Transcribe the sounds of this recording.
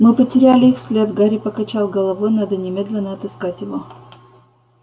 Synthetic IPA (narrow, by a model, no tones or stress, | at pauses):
mɨpətʲɪɾʲalʲɪixsʲlʲed̪ɡaɾʲɪpəkɐt͡ɕalˠɡəlˠɐvojnad̪ənʲɪmʲe̞d̪lʲɪnːəɐt̪ɨskatʲjɪvo